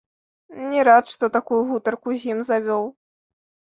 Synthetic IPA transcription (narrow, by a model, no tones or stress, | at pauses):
nʲɛɾat̪ʂt̪ɔt̪akujuɣut̪ɐrkuzʲimzavʲɔw